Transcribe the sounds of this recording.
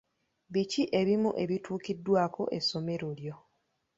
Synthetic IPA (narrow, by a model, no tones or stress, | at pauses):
βiciʔe̞βimṵʔe̞βituːkidːwaːko̞̰ʔḛso̞me̞ɾoljo̞